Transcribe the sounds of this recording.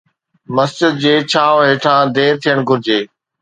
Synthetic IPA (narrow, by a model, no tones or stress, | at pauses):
məsd͡ʑɪd̪̚d͡ʑeːt͡ɕʰaːʋɦeːʈʰãːd̪eːɾt̪ʰijəɽ̃ɡʱʊɾɪd͡ʑeː